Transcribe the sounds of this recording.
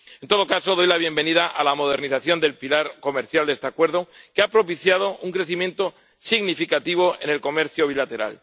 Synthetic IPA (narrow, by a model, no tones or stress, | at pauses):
e̞nt̪o̞ð̞okaso̞ðo̞jlaβ̞je̞mbe̞nið̞aʔalamo̞ð̞e̞ɾniθaθjo̞nd̪e̞lpilaɾko̞meɾθjald̪e̞st̪eakwe̞ɾðo̞keapɾo̞piθjað̞o̞uŋkɾe̞θimje̞nt̪o | siɣnifikat̪iβ̞o̞e̞̰ne̞lko̞me̞ɾθjoβ̞ilat̪e̞ɾa̰l